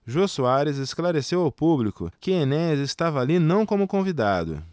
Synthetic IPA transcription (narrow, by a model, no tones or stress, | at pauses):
ʒosuaɾɪzesklaɾesewawpublikʊ̰kɪenɛzest̪avɐalinɐ̃w̃kõmʊkõvid̪ad̪ʊ̰